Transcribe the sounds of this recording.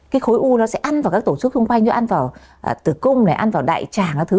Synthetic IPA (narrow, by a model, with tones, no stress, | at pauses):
kaː˨˦jxo˨˦jʔu˧nɔ˨˦sɛ̰˧˥ʔa˧nva˨˩kaː˦˥k̚t̪o˧˩t͡ɕɨ˦˥k̪̚ʰɨ˧ŋ͡mkwa˧jŋ̟zɔ˨˦ʔa˧nvaː˨˩w | t̪ɨ˧˩kʊ˧ŋ͡mlaː˨˩ʔa˧nvaː˨˩wɗa̰ː˧˨jt͡ɕaː˧˨˩ŋaː˨˧˩t̪ʰɨ˨˦